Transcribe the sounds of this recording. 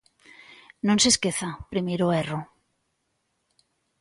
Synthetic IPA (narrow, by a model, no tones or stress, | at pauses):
nõnseskeθapɾimeɾoero